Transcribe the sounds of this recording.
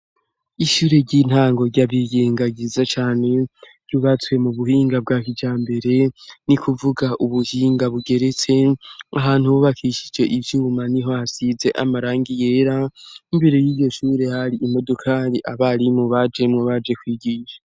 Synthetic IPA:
iʃuːɾe̞ɟin̥haːŋɡo̞ɾɟaβiɡeːŋɡaɡizat͡ʃaːne̞ɾɟuβat͡swe̞muβuhiːŋɡab̚ɡaːkid͡ʒaːmbe̞ɾe̞nikuvuɡaʔuβuhiːŋɡaβuɡe̞ɾe̞t͡se̞aɦaːn̥huwuβakʰiʃid͡ʒe̞ʔivjuːmaniɦo̞hasize̞ʔamaɾaːŋɡije̞ːɾaimbeɾojiːjo̞ʃuːɾe̞haɾiimo̞dokʰaːɾiʔaβaɾimoβad͡ʒe̞mŋoβad͡ʒe̞kwiːɡiːʃḁ

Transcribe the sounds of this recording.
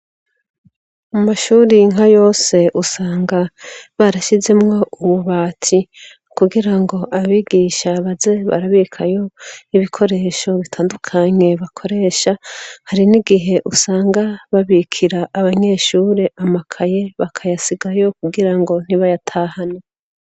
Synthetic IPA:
mumaʃuːɾiŋajo̞ːse̞ʔusaːŋɡaβaɾaʃize̞mŋo̞uβuβaːtʰi | kuɡiɾaŋɡo̞ʔaβiːɡiːʃaβaze̞βa̰ɾaβikʰajo̞iβikʰo̞ɾe̞ːʃo̞βitʰaːndukʰaɲe̞βakʰo̞ɾe̞ːʃahaɾiniɡiɦe̞ʔusaːŋɡaβaβikʰiɾaʔːβaɲe̞ːʃuːɾe̞ʔamakʰaje̞βakʰajasiɡajo̞kuɡiɾaŋɡo̞n̥iβajatʰaːhane

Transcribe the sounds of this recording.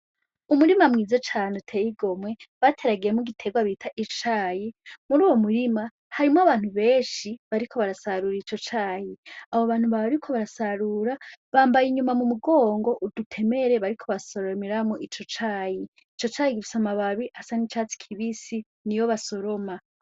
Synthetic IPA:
umuɾimamŋiːzot͡ʃaːnotʰejiɡo̞mwe̞βatʰe̞ɾaɡijemuɡitʰe̞ɡwaβitʰaʔit͡ʃaːjimuɾuːwo̞muɾima | haɾimoaβaːn̥uβe̞ːnʃiβaɾikʰo̞βaɾasaɾuɾit͡ʃo̞t͡ʃaːjiaβoβaːn̥uβaβɾikʰoβaɾasaɾuɾaβaːmbajiɲumamumuɡo̞ːŋɡo̞ʔudutʰe̞me̞ɾe̞βaɾikʰo̞βaso̞ɾomiɾamoʔit͡ʃo̞t͡ʃaːji | it͡ʃo̞t͡ʃaːjikifi̥samaβaβiʔasanit͡ʃat͡si̥kʰiβisi | nijo̞βaso̞ɾo̞ma

